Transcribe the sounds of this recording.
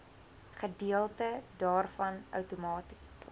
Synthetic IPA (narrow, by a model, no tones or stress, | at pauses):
χədiəlˠtədɑːrfɐnœ̰wtumɑːti̥s